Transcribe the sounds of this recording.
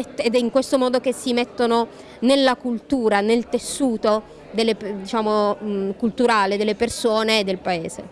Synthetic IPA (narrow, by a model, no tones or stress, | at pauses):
ed̪ɛiŋkwest̪omɔːd̪ok̟esːimet̪ːono | nelːakult̪uːɾanelt̪esːuːt̪o | d̪elːepd̪it͡ʃaːmomkult̪uɾaːled̪elːepersoːneːd̪ːelpaeːzḛ